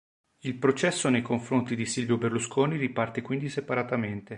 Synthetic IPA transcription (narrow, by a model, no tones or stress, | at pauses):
ilpɾot͡ʃɛsːonejkoɱfɾont̪id̪isilvjoberluskʰoːniripart̪ekwind̪isepaɾat̪ament̪e